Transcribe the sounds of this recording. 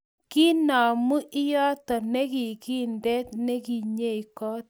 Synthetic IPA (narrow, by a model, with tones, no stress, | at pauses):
ki˦na˨mu˦ʔɪ˦jɔ˦tɔ˨nɛ˦ki˨ki˦ndɛ˦t̚ne˦ki˨ɲe˦˨i˨kɔ˦t